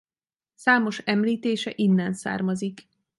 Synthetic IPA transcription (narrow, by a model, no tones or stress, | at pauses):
saːmo̞ʃɛmliːt̪eːʃɛ̰ʔinːɛnsa̰ːrmɒzik